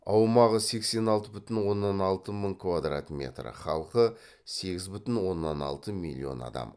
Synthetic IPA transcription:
ɑwmɑʁəse̞kse̞nɑlˠt̪əbʏt̪ɪnwo̞nːɑnɑlˠt̪əməɴkʰvad̪ra̰t̪mʲe̞̰t̪rə̰χɑlˠqə | se̞ɡʲɪzbʏt̪ɪnwo̞nːɑnɑ̰lˠt̪əmilʲːio̞̰nɑ̰d̪ɑ̰m

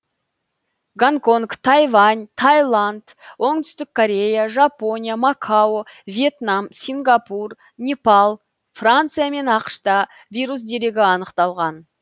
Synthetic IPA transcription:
ɡaŋko̞ŋkt̪ʰɑjvant̪ʰajlˠand̪wo̞ɴd̪ʏst̪ɪk̚kʰːoɾʲe̞jaʒapo̞nʲijamakʰaovʲije̞t̪namsʲiŋɡapur | nʲepalˠ | frant̪sɨjame̞nɑqə̥ʃt̪ɑ | vʲijɾus̬d̪e̞ɾe̞ɡʲɪɑnəqt̪ɑlˠʁɑn

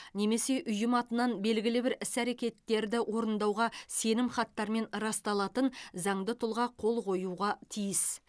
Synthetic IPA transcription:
ne̞me̞se̞ʔʏjɪmɑt̪ənɑnbe̞lɡʲɪlɪbɪɾɪsæɾe̞kʲe̞t̪ːe̞ɾd̪ɪwo̞ɾənd̪ɑwʁɑse̞nɪmχɑt̪ːɑɾme̞nɾɑst̪ɑlˠɑt̪ənzɑɴd̪ət̪ʰʊlˠʁɑqʰo̞lˠqʰo̞juʁɑt̪ʰijɪs

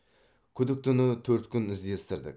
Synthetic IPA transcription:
kʲʰʏd̪ɪk̚t̪ʰʊnət̪ʰɵɾt̪kʲʰʏnɪzd̪e̞st̪ɪɾd̪ɪ̰k

